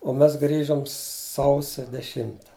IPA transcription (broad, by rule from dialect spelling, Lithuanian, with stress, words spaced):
oː ˈmʲɛs ˈɡrʲiːʒoːm ˈsɐʊsʲɛ dʲɛˈʃʲɪmtɐ